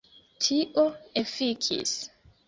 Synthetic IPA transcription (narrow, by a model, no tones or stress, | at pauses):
tʰiʔoefikʰḭs